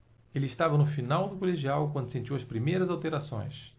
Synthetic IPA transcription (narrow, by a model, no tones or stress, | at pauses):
elɪst̪avɐnʊfinawd̪ʊkoleʒiawkwɐ̃nd̪ʊsẽnt͡ʃiwɐspɾimejɾɐzawt̪eɾasõ̰j̃s